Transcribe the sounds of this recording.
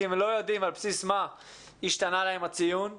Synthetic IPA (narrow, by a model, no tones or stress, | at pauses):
imlo̞jod̪imalpsisma | iʃt̪analahemat͡sijun